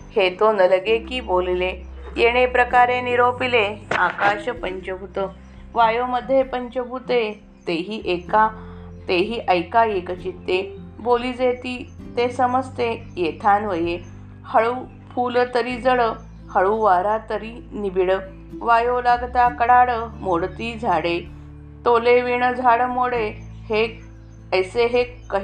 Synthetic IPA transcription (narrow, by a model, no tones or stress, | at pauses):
het̪onələɡekiːbolilejeɽ̃epɾəkaɾeniɾopileakaɕəpəɲt͡ɕəbʱut̪ə | ʋajoməd̪ʱːjepəɲt͡ɕəbʱut̪e | t̪eɦiːʔeka | t̪eɦiːʔəjkajekət͡ɕit̪ːe | boliːd͡zet̪iːt̪esəməst̪e | jet̪ʰanʋəje | həɭuː | fʰulət̪əɾiːd͡zəɭə | həɭuʋaɾat̪əɾiː | nibiɽə | ʋajolaɡt̪akəɽaɽəmoɽt̪iːd͡zʱaɽe | t̪oleʋiɳ̃əd͡zʱaɽəmoɽe | he | əjseɦekːə